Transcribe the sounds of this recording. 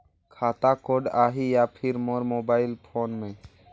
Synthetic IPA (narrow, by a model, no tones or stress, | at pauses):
kʰaːt̪akoɖaːɦijapʰɪɾmoɾmoːbaːɪlpʰoːnmẽ